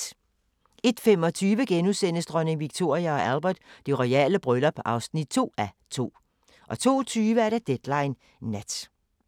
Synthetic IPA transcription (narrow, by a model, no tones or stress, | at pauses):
e̝d̥fem̰ɒ̽t͡sʰyːʋəɡ̥enusenəsd̥ʁœne̝ŋʋiɡ̥̚t͡sʰo̝ɐ̰iæɒ̽ʔælb̥ɐd̥d̥e̝ʁɔɛ̰ːləb̥ʁœlɐpʰɒ̽ʔɑ̈ʊsnid̥̚t͡sʰo̝̰ːæ | t͡sʰo̝̰ː | ʔɒ̽t͡sʰo̝̰ːt͡sʰyːʋəæɐɾ̥ɑd̥ed̥lɑ̈ɪnː | æd̥